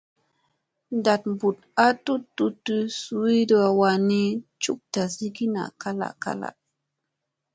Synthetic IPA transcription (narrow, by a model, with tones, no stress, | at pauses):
nda˨t̚mbu˨t̚a˦tu˦tːu˦tːu˦su˨wi˦də˦a˨wa˧ni˦t͡ʃṵ˦k̚ta˨si˦ɡi˦na̰˨ka˦la̰˨ka̰˦la̰˨